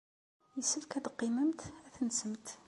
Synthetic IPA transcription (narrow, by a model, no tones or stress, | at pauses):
jəsəfkæd̪qːiməmt̪æθnsəmt̪